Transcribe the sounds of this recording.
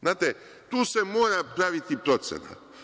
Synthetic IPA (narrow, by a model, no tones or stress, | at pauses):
znaːt̪e | t̪uːsemoːɾapɾaʋit̪ipɾo̞t̪sḛna̰t̪